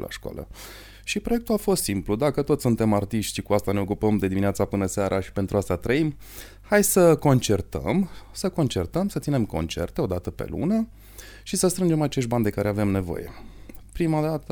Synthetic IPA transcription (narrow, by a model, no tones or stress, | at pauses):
la̰ʃkwa̰lə̰ | ʃipɾojek̚t̪uafo̞st̪simplud̪akət̪o̞t̪ssunt̪e̞mart̪iʃt̪ʲikuast̪ane̞o̞kupəmd̪e̞d̪iminat̪sapɨnəseaɾʔaʃi̥pe̞nt̪ɾuast̪at̪ɾəim | hajsəko̞nt͡ʃe̞rt̪ə̰msəko̞nt͡ʃe̞rt̪əmsət̪sinemko̞̰nt͡ʃe̞̰rt̪e̞o̞d̪at̪əpe̞̰lṵnə | ʃisəst̪ɾɨnd͡ʒe̞mat͡ʃe̞ʃ̬t̪̚band̪e̞kaɾe̞ave̞mne̞vo̞̰je̞̰pɾimad̪at̪ə